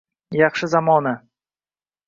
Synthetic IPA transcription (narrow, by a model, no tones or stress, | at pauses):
jakʂɛzamɔnɛ